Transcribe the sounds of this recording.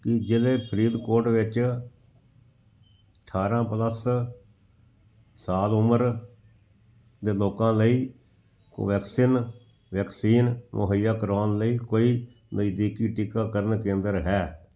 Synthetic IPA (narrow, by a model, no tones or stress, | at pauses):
kɪd͡ʒɪleːpʰəɾiːd̪koːɾʈʋɪt͡ʃ | əʈʰaːɾãːpələs | saːlʊməɾ | d̪eːloːkãːləḭː | ʋɛːksiːn | ʋɛːksiːnmʔʊ̰ɦəjaːkəɾaːnləiːkoːiː | nəjd̪iːkiːʈɪkaːkəɾənkẽːnd̪əɾɦɛː